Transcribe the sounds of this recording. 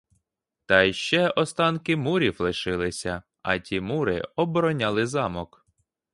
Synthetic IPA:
t̪ɑjʃt͡ʃɛɔst̪ɑnkɪmuɾʲiwlˠɪʃɪlˠɪsʲɐ | ɐ̰tʲimuɾɪ̰ɔbɔɾɔnʲɑlˠɪzɑmɔk

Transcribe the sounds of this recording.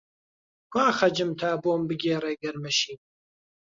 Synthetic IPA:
kʰʷaːxɐd͡ʒɨmt̪ʰaːboːmbɨɡʲeːreːɡɐɾmɐʃiːm

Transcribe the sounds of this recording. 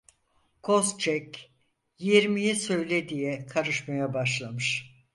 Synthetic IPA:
kʰo̞st͡ʃʰɛc | jiɾmijisø̞jlʲed̪ijɛkʰaɾɯʃmajabaʃlˠamɯʃ

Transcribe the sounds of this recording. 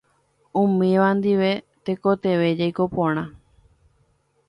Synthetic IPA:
ũmĩʋand̪iʋe̞ | t̪eko̞t̪e̞ʋe̞d͡ʒajko̞põɽ̃ã

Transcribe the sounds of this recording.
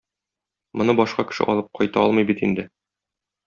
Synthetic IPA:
mŏnɤbɒʃqɑkɘ̥̆ʃɘ̰ʔɒlˠɤp̚qɒjt̪ɑɒlˠmɤjbit̪ind̪ɘ

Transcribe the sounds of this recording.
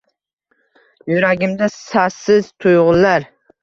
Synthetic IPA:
jʊɾaɡʲɪmd̪asasɪzt̪ʰʊjʁʊllaɾ

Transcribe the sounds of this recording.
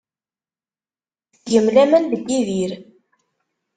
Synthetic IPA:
jəmlæmænðəɡːiðiɾ

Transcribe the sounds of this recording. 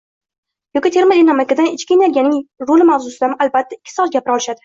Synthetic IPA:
jɒkʲit̪ʰe̞ɾmad̪enamakʲːad̪anɪt͡ʃkʲɪnalɡʲanɪŋɾolɪmawzʊsɪd̪amalbat̪ʰːaɪkʲːɪ̥sɒt̪̚ɡʲapɪɾɒlˠɪʃad̪ɪ

